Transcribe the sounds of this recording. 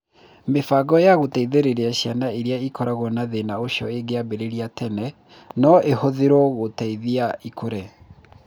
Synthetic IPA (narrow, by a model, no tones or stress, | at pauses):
mefaɡɔjaɣotaiðeɾeɾeaɕjanaeɾjaikɔɾaɣɔnaðenaoʃɔ̰eɡeabeɾeɾiatʰɛnɛ | nɔʔehoðeɾɔɣotaiðiaikʰoɾɛ